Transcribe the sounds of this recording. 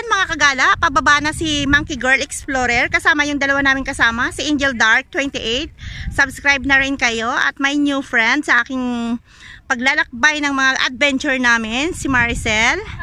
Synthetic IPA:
anmɐŋakɐɡaːlɐʔpɐbɐbaːnɐsimaŋkiɡɛɹlɛksploːɾɛɹkɐsaːmɐjʊŋd̪ɐlɐwanaːmɪnkɐsaːmɐsɐʔɪnd͡ʒɛld̪aɹk̚t̪wɛnt̪ɪʔejt̪̚sɐbskɾajb̚nɐɾɪnkɐjo̞ʔɐ̰t̪̚mɐjnjufɹɛnd̪̚sɐʔaːkɪŋ | pɐɡ̚laːlɐk̚bajnɐŋmɐŋaʔɐ̰d̪̚vɛnt͡ʃʊɹnaːmɪnsɪmaɹsɛl

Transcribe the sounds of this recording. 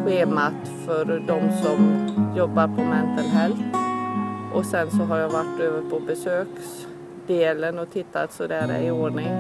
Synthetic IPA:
ɧeːmat̪fœɾɖɔmsɔmjɔbːaɾpʰɔmɛnt̪əlɦɛlf | ʔɔsɛnsɔɦaɾjavaʈːøːvəɾpʰɔbɛsøːks | d̪eːlənɔt̪ʰɪt̪ʰːat̪sɔd̪æːɾæ̰ɾɪoːɖɳɪŋ

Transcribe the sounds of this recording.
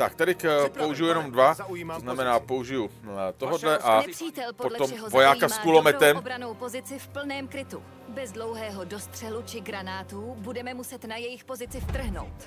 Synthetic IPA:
t̪akt̪adɪkpouʒɪjujɛno̞mdvaoznamɛnaːpo̞uʒɪjut̪oɦodlɛʔanɛr̥iːt̪ɛlpopolomɦvojaːkasskkulomɛtt̪ɛmbɾanowpo̞zɪt͡sɪfpl̩nɛːmkɾɪt̪u | bɛzdlowɦɛːɦodost̪r̝̥ɛlut͡ʃɪɡɾanaːt̪ubudɛmɛmusɛt̪najɛjɪxpozɪt͡sɪft̪r̩ɦno̰wt̪

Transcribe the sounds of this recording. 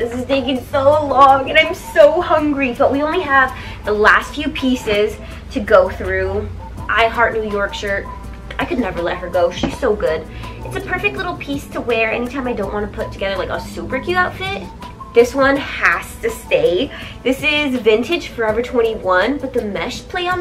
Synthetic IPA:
ðɪsɨzdeɪɡɪ̃ŋsoʊlɔ̃ŋɨ̃nãɪ̃msoʊhʌ̃ŋɡɹib̥ʌʔ̚wiõʊ̃nliəv | ðəlæstfjʉpʰisɪz̥ | tʰɨɡoʊθɹʉ | ʔaɪɦɑɹtⁿnʉjɔɹkʃɜ˞t̚ | aɪkɨdⁿnɛvə˞lɛt̚hə˞ɡoʊʃiz̥soʊɡʊd | ɨtsɨpʰɜ˞fɨk̚tˡlɪɾl̩ˠpʰistʰəwɛɹɛ̰ñitʰãɪ̃maɪdõʊ̃nʔwɑ̃nəpʰʊtʰɨɡɛðə˞laɪkəsupə˞kʰjʉaʊtfɪt̚ | ðɪswʌ̃nhæstʰɨsteɪðɪsɪzvɪ̃ntɨd̥ʒ̥fə˞ɛvə˞tʰw̥ɛ̃ɾ̃iwʌ̃nb̥ʌt̪̚ðɨmɛʃpʰl̥eɪə̃n

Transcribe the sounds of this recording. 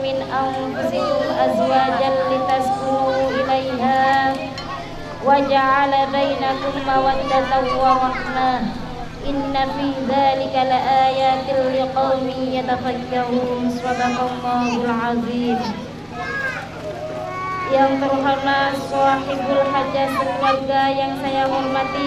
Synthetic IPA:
mɪnʔanfʊsɪhɪʔazwaːd͡ʒalɪt̪asʊuːʔɪlajɦaː | wad͡ʒaʕalabajnakʊmːawad̪ːad̪awaɾˤɑħnaːh | ʔɪnːafiːðaːlɪkalɪʔaːjaːt̪ɪlɪqɑwmɪjat̪afakːaɾuːnsˤɑd̪ɑqɑlˤːɑːhʊlʕɑðˤiːm | jant̪ʊɾɦanaːsˤɑːħɪbalħad͡ʒːafɪlːaɡːajaŋsajahʊlmat̪i

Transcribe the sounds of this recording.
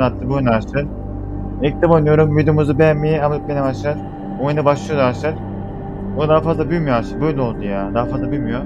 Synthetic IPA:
at̪ʰːɯbunaʃt̪ɯɾ | ect̪ʰabojnɯjo̞ɾumvid̪ejomuzubejanmːijɛamap̚benɛbaʃlˠaɾ | bojnd̪abaʃlˠɯjod̪βaʃlˠaɾ̥ | bonud̪aɦafazlˠabylʲmijoaʃabøjlʲɛolˠd̪ujaːd̪aɦafazlˠabylʲmyjo

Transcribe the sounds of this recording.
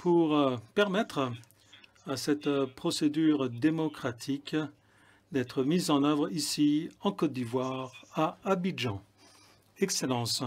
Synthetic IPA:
pʰuʁpɛʁmɛt̪χ | asɛt̪pχɔsed̪yʁd̪emɔkχat̪ʰik | d̪ɛt̪χəmizɑ̃nœvʁisiɑ̃kɔt̪̚d̪ivwaʁaabiʒɑ̃ | ɛkselɑ̃s

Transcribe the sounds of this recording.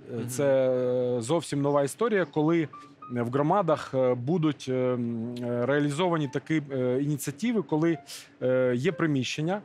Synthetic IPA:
t̪sɛ | zɔwsʲimnɔʋɑist̪ɔɾʲijɐkɔlˠɪ | ʋɦɾɔmɑd̪ɐxbud̪ʊtʲ | ɾeɐlʲizɔʋɐnʲit̪ɐkɪinʲit̪sʲiɐtʲiʋɪkɔlˠɪ | jɛpɾɪmʲiʃt͡ʃːenʲːɐ

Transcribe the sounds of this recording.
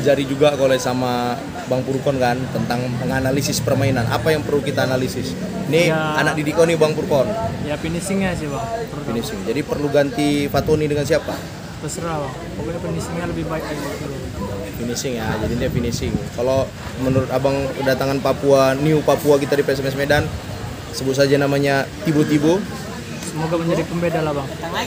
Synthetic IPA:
d͡ʒaɾid͡ʒuɡakolɛsama | baŋpuɾkɔnkant̪ənt̪aŋməŋanalisɪspərmainanʔa̰pajaŋpərlukit̪aːnalisɪs | nianak̚didikɔnibaŋpuɾkɔnjapinisɪŋjasiba | inisɪŋd͡ʒadipərluɡant̪ifat̪onidəŋans̬iapa | pəsəɾaw | pakuapinisɪŋɲaləbɪhbaɪk̚ad͡ʒibasiaɡ̪ | pinisɪŋjad͡ʒadint̪ijapinisɪŋkalo | mənuɾʊt̪abaŋədat̪aŋanpapuaniupapuakit̪adipɛs̬ɛmɛs̬medan | səbʊt̪̚s̬ad͡ʒanamaɲat̪ibot̪ibo | səmoɡaməɲd͡ʒadipəmbedalabaŋ

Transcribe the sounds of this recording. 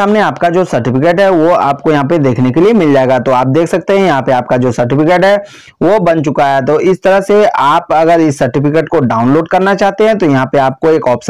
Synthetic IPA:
aːmneaːpkad͡ʒoːsɐɾʈɪpɪkeːʈɦɛʋoa̰ːp̚kojɐɦãp̬ed̪eːkʰnekeliemɪld͡ʒaːeɡat̪oaːp̚d̪eːkʰsɐk̚t̪eɦɛ̃jɐɦãpeaːp̚kad͡ʒoːsɐɾʈɪfɪkeːʈɦɛː | ʋobɐnt͡ʃʊkaɦɛt̪oʔɪst̪ɐɾəɦseaːpɐɡəɾɪsːɐɾʈɪpɪkeːʈkoɖaːʊ̃nloːɖkɐɾnat͡ʃaːɦt̪eɦɛ̃t̪ojɐɦãpeaːp̚koeːkɔːps

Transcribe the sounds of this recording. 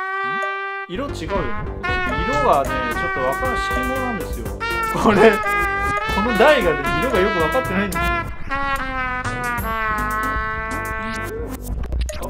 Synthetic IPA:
iɾo̞t͡ɕiɡaɯ̟jo̰n | iɾo̞βanet͡ɕo̞t̪ːo̞βakaɾɯ̟ɕi̥kʲimoːnãnd̪e̞sɨjo̞̰koɾe̞ | kʰo̞no̞d̪aiɡad̪eiɾo̞ɡajo̞k̬ɯ̟βakat̪ːe̞naĩnd̪esɨo

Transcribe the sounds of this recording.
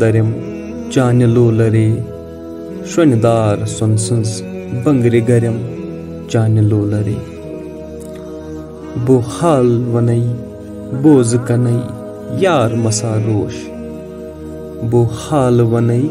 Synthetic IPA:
d̪ɐɾɐm | t͡ʃaːnɐloːlɐɾeː | ʃɐnid̪aːɾsonsɐnzbɐŋɡɾiɡɐɾɐm | t͡ʃaːnɐloːlɐɾeː | bohaːlʋɐnɐi | boːzkɐnɐi | jaːɾmɐsaːɾoːʃ | bohaːlʋɐnɐi

